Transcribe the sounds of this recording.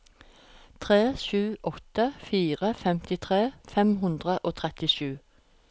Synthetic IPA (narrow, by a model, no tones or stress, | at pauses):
t̪ʰʁeːʃʉːʔɔt̪əfiːʁəfɛmt̪ɪt̪ʰʁeːfɛmɦʉnd̪ʁəʔoːt̪ʰʁɛt̪ɪʃʉː